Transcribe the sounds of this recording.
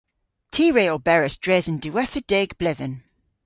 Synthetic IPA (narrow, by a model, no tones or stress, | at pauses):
tʰiːɹeɪəlˠbɛɹəsd̥ɹɛzə̃ndʉɛθəd̥ɛɡb̥lɪðə̃n